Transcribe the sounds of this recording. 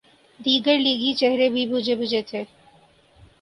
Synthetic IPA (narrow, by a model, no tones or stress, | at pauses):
d̪iɡeɾliɡit͡ɕeɦeɾebibʱud͡ʑʱebud͡ʑetʰe